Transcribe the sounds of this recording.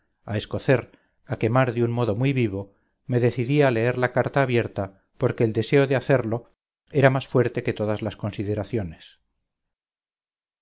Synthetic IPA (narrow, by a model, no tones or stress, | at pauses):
ae̞sko̞θe̞ɾ | ake̞maɾðjunmo̞ð̞o̞mujβiβ̞o̞ | me̞ðe̞θiðiaːle̞eɾlakaɾt̪aːβje̞ɾt̪a | po̞ɾke̞ːld̪e̞se̞o̞ðeaθe̞ɾlo̞ | e̞ɾamasfwe̞ɾt̪e̞ke̞t̪o̞ðazlasko̞nsið̞e̞ɾaθjo̞ne̞s